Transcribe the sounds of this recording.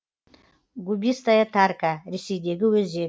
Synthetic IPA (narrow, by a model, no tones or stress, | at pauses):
ɡubʲist̪ajat̪ʰarkarʲesʲejd̪ʲeɡʲɪwɵze